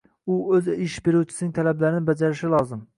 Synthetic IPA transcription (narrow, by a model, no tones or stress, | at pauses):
ʊɵzɪʃbeɾuwt͡ʃʰɪ̥sɪnɪŋt̪ʰalablaɾɪnɪbad͡ʒaɾɪʃɪlˠɒzɪm